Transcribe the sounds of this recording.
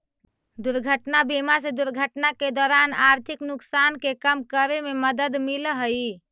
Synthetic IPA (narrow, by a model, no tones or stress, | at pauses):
d̪uɾɡʱəʈnabimas̬ed̪uɾɡʱəʈnaked̪ɔɾanaɾt̪ʰiknuksankekəmkəɾememəd̪əd̪milɦəji